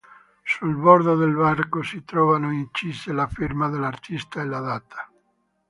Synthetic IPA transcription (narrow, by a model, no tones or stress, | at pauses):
sulbɔɾd̪oðelbarkosit̪ɾɔvanoint͡ʃizelafirmaðelart̪ʰist̪aelad̪at̪ʰḁ